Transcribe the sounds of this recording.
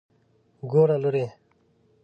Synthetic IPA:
ɡoːɾaluɾe

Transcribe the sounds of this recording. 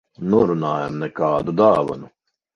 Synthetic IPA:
nuɾunaːjamnɛkaːd̪ud̪aːva̰nu

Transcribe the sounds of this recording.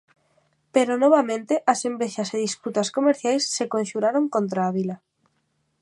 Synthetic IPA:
peɾonoβ̞amẽnt̪eʔasembeʃaseðisput̪askomeɾθjajsːekonʃuɾaɾoŋkont̪ɾaːβ̞ila

